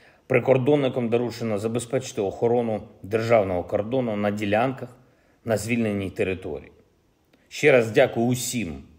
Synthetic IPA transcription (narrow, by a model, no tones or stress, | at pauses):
pɾɪkɔrd̪ɔnːɪkɔmd̪ɔɾut͡ʃenɔzɐbe̞spɛt͡ʃɪ̥t̪ɪɔxɔɾɔnʊd̪erʒɑwnɔɦɔkɔrd̪ɔnʊnɐdʲilʲankɐx | nɐzʲʋʲilʲnenʲːijt̪eɾɪt̪ɔ̰ɾʲḭi | ʃt͡ʃɛɾɑzdʲakʊjʊʊsʲim